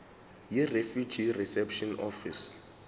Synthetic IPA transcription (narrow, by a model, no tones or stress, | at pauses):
jirefjud͡ʒʱirisɛpʃɔnɔfis